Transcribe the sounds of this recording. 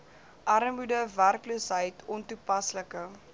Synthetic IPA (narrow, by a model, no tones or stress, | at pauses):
ʔɐɾəmudəværkloːsɦəjtʰɔntupɐsləkə